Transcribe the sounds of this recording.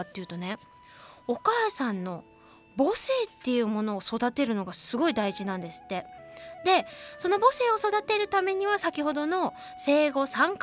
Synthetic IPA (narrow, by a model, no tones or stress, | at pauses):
t̪ːejiɯ̟t̪o̞ne̞ | okaːsãnːo̞ | bo̞se̞ːt̪ːe̞jɯ̟ːmo̞no̞ːso̞d̪at̪e̞ɾɯ̟no̞ɡasɨɡo̞id̪aiʑinãnd̪e̞sɨ̥t̪ːe̞d̪e̞so̞no̞bo̞se̞ːo̞so̞d̪at̪e̞ɾɯ̟t̪ame̞ɲ̟iβ̞asakʲiho̞d̪o̞no̞ | se̞ːɡo̞sãŋk